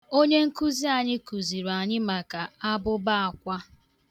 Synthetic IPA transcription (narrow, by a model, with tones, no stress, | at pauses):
o˦ɲe˦ŋ̩˦ku˦zi˦a˨ɲɪ˦ku˨zi˨ɾa˨ɲɪ˦ma˨ka˨a˦bʊ˦ba˦a˨kʷa˦